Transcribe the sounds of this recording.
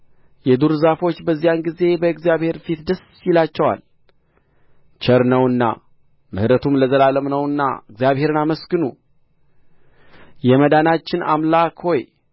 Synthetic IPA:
jɛd̪uɾzafo̞t͡ʃːbəzːijanɡize̞bəɨkɡzijaβhe̞ɾfit̪d̪əs | ilat͡ʃːɛwa̰l | t͡ʃəɾnəwɨnːa̰ | mɨhɾət̪ʰumləzəlaləmnəwɨnːa̰ɨɡzjaβhe̞ɾɨnaməsɡɨnṵ | jɛməd̪anat͡ʃːɪna̰mlakho̞j

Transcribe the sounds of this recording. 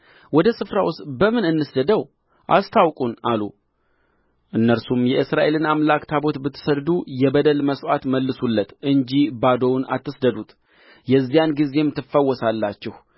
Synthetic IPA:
wɔd̪əsɨfɾawʊst̪bəmɨnɨnːɨsd̪əd̪əw | ʔast̪ʰawkʼunalu | ʔɨnːəɾsumjɛʔɨsɾaʔe̞lɨnamlakt̪ʰabo̞t̪bɨt̪ʰːɨ̥səld̪ujɛbəd̪əlməsʔat̪məlːɨsulːət̪ʔɨɲd͡ʒibad̪o̞wna̰t̪ʰːɨsd̪əd̪ut̪ | jɛzːijanɡize̞mt̪ʰːɨfːəwːɔsalːat͡ʃːɛh

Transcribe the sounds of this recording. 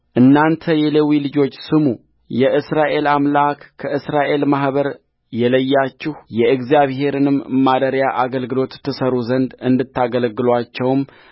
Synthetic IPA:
ʔɨnːant̪ʰəjɛlewilɨd͡ʒo̞t͡ʃːsɨmu | jɛʔɨsɾaʔe̞lamlakːʰəɨsɾaʔe̞lmahβəɾ | jɛləjːat͡ʃːɪhjɛɨɡzijaβɦe̞ɾɨnɨmːad̪əɾjaʔaɡəlɡɨlo̞t̪ʰːɨsəɾuzənd̪ɨnd̪ɨt̪ːaɡəlɡɨlwat͡ʃːɛwm

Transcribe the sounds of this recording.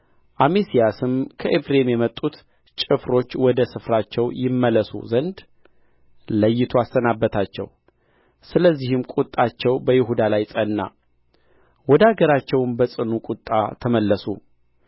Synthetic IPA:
ʔamesijasɨmkʰəʔefɾemjɛmət̪ʼut̪ | t͡ʃʼɨfɾo̞t͡ʃːwɔd̪əsɨfɾat͡ʃːɛwjɪmːələsṵzənd̪ | ləjːɪt̪ʰuast̪ənabːət̪ʰat͡ʃːɛ̰w | sɨləzːihɨmkʼut̪ʼːat͡ʃːɛwbəjɪɦud̪alajsʼənːa̰ | wɔd̪aɡəɾat͡ʃːɛwmbəsʼɨnukʼut̪ʼːa̰t̪ʰəməlːəsṵ

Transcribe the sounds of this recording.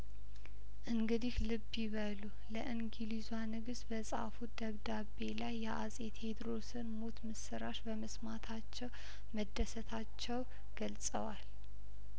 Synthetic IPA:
ʔɨŋɡɨd̪ihlɨbːiβəlu | ləʔɨŋɡilizwanɨɡɨsbəsʼa̰fud̪̥əβd̪abe̞lajːɛʔasʼet̪ʰe̞d̪ɾo̞sɨnmo̞t̪mɨsɨɾaʃbəməsmat̪ʰat͡ʃːɛw | məd̪ːəsət̪ʰat͡ʃːɛw | ɡ̥əlsʼə̰wal

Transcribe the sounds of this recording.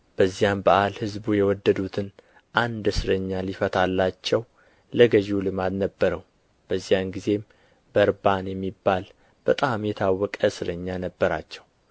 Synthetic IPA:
b̥əzːijambəʔalhɨzbujɛwɔd̪ːəd̪ut̪ʰɨn | ʔand̪ɨsɨɾəɲːalifət̪ʰalːat͡ʃːɛw | ləɡəʒulɨmat̪nəbːəɾəw | b̥əzːijanɡize̞m | bəɾbanjɛmːibːal | b̥ət̪ʼamjɛt̪ʰawːɔkʼəsɨɾəɲːanəbːəɾa̰t͡ʃːɛw

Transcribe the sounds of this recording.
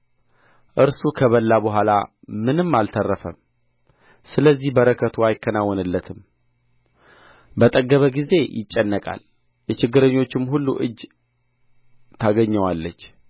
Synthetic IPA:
ʔɨɾsukʰəβəlːabəɦʷala̰ | mɨnɨmːalt̪ʰərːəfə̰m | sɨləzːihbəɾəkʰət̪ʰuajɪkʰːənawːɔnɨlːət̪ʰɨm | bət̪ʼəɡːəβəɡize̞jɪ̰t͡ʃʼːɛnːəkʼa̰l | jɛt͡ʃɪɡːɨɾəɲːo̞t͡ʃːɪmhulːuʔɨd͡ʒː | t̪ʰaɡəɲːəwalːət͡ʃː

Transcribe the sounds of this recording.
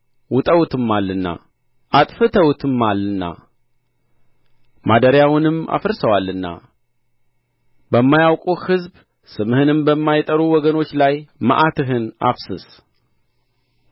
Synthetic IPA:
wʊt̪ʼəwut̪ʰɨmːalːɨnːa̰ | ʔat̪ʼfɨt̪ʰəwt̪ʰɨmːalːɨnːa̰ | mad̪əɾjawʊnɨma̰fɨɾsəwalːɨnːa̰ | bəmːajawkʼuhɨzb | sɨmhɨnɨmbəmːajt̪ʼəɾuwɔɡəno̞t͡ʃːlajma̰ʔat̪ʰɨɦɨna̰βsɨs

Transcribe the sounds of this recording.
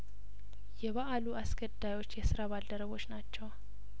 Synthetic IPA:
jɛβaʔaluasɡəd̪ajo̞t͡ʃːjɛsɨɾaβald̪əɾəβo̞t͡ʃːnat͡ʃːɛw

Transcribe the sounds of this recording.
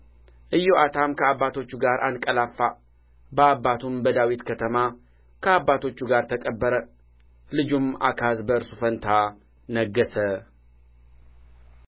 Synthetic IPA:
ʔɨjːoat̪ʰamkʰəabːat̪ʰo̞t͡ʃːuɡaɾʔankʼəlafːa | bəabːat̪ʰumbəd̪awit̪kʰət̪ʰəma | kʰəabːat̪ʰo̞t͡ʃːuɡaɾt̪ʰəkʼəbːəɾə | lɨd͡ʒuma̰kʰazbəɾsufənt̪ʰa | nəɡːəsə

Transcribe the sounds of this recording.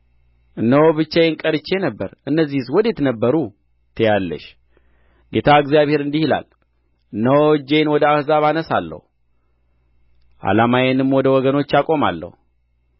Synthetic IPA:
ʔɨnːəwobɨt͡ʃːajɛŋkʼəɾɨt͡ʃːe̞nəbːəɾʔɨnːəzːihswɔd̪et̪nəbːəɾu | t̪ʰəjalːə̰ʃ | ɡe̞t̪ʰaɨɡzijaβhe̞ɾɨnd̪ihila̰l | ʔɨnːəwod͡ʒenwɔd̪əahzaβanəsa̰lːə̰hu | ʔa̰lamajenɨmwɔd̪əwɔɡəno̞t͡ʃːjakʼo̞ma̰lːə̰hu

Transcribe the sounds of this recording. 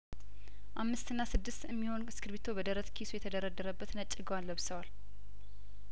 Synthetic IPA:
ʔamːɨst̪ɨnːasɨd̪ːɨst̪ɛmːiho̞nskʰɨɾβit̪ʰo̞bəd̪əɾət̪kʰisujɛt̪ʰəd̪əɾad̪ːəɾəbːət̪nət͡ʃʼːɨɡəwanləβsəwal

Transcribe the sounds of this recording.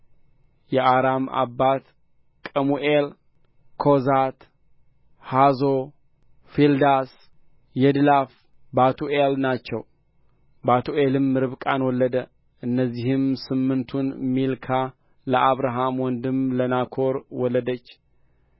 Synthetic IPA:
jɛʔaɾama̰bːat̪ | kʼəmuʔel | kʰozat̪ | hazo | fild̪as | jɛd̪ɨlaf | bat̪ʰuʔelnat͡ʃːɛw | bat̪ʰuʔelɨmːɨɾɨβkʼanwɔlːəd̪ə | ʔɨnːəzːihɨmsɨmːɨnt̪ʰunmilkʰa | ləʔaβɾaɦamwɔnd̪ɨmlənakʰo̞ɾwɔlːəd̪ət͡ʃː

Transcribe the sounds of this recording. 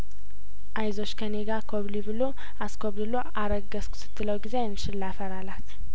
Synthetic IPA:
ʔajzo̞t͡ʃːkʰəneɡakʰoβlibɨlo | askʰoβd̪ɨlo̞ʔaɾəɡəskʰsɨ̥t̪ːɨləwɡizejɛnːɨʃɪlːafəɾalat̪

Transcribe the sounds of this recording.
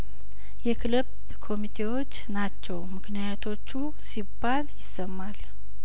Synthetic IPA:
jɛkʰɨləb | kʰo̞mit̪ʰe̞wo̞t͡ʃːnat͡ʃːɛwmɨknijat̪ʰo̞t͡ʃːu | sibːaljɪsːəmːal

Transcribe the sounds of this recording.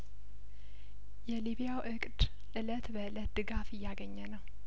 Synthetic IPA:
jɛliβijawʔɨkʼd̪ | ʔɨlət̪bəʔɨlət̪̚d̪ɨɡafɨjːaɡəɲːənəw

